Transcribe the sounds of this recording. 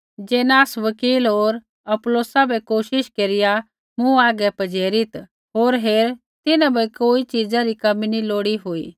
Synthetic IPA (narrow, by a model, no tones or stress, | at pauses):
d͡ʒeːnaːsʋəkiːlɦoːɾ | ɐploːsabʱɛkoːʃɪʃkeːɾɪja | mũaːɡɛpɐd͡ʒeːɾɪt̪ | ɦoːɾɦeːɾ | t̪ɪnãbɛkoːit͡ʃiːd͡zaɾikɐminiloːɽiɦoḭː